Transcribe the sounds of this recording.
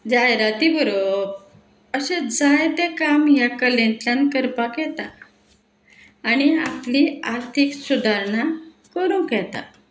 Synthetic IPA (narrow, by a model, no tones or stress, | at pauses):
d͡ʑajɾat̪ibəɾo | əɕẽd͡zajt̪ekamjakəlẽnt̪ljankəɾpakjɛt̪a | ñiapliaɾt̪ʰiksud̪ʱaɾɳa | kəɾũkɛt̪a̰